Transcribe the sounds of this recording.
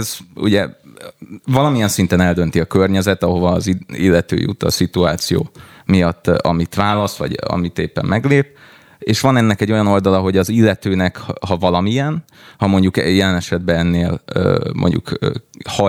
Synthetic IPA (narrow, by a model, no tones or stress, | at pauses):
ɛzṵɟɛ | vɒlɒmijɛnsint̪ɛnɛld̪ø̞n̪t̪iɒkørɲɛzɛt̪ɒɦo̞vɒːziḭlːɛt̪ø̰ːjṵt̪ɒ̰sit̪uaːt̪sijo̰ː | mijɒt̪ːɒ̰mit̪ʋaːlɒsʋɒ̰ɟɒ̰mit̪eːpːɛ̰mmɛɡleːp̚ | eːʃʋɒnɛnːɛkɛɟːo̞jɒno̞ld̪ɒlɒɦo̞ɟɒzilːɛt̪øːnɛkhɒvɒlɒmijɛn | hɒmo̞ɲɟukɛjɛlɛnɛʃɛd̪̚bɛɛnːeːlø̰ːmʔo̰ɲɟṵkːhɒ